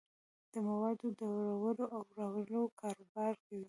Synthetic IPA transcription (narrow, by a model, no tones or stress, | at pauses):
d̪̥əmawɑd̪od̪əwɾawəloʔawɾawəlokɑɾobɑɾkawi